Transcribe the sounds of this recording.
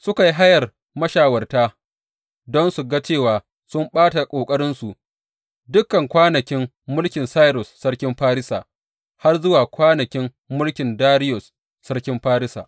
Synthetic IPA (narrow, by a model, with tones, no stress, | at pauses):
sʊ˦ka˨ji˦ɦa˦jɐ˨r | mɐ˦ʃaː˨wɐ˨rtaː˦ | dɔ˦nsu˨ɡa˦t͡ʃeː˦˨waː˨ | sʊ˦mɓaː˦ta˨kʷʼoː˨kʼɐ˦ɾɪ˦nsu˨ʔ | dʊ˦kːɐ˨ŋkʷaː˦nɐ˨kʲɪ˦mː | ʊ˦lkʲɪ˨nsaː˦jɾɔ˨sːɐ˦rkʲɪ˦mɸaː˦ɾɪ˦saː˨ | ha˦rzʊ˦waː˨kʷaː˦nɐ˨kʲɪ˦mːʊ˦lkʲɪ˨ndaː˦ɾɪ˦jɔ˨sː | ɐ˦rkʲɪ˦mɸaː˦ɾɪ˦sa̰ː˨ʔ